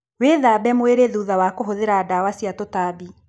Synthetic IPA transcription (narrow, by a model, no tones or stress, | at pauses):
weːðabɛmoeɾeðuðawakoɦoðeɾaːdawasjatotaːbi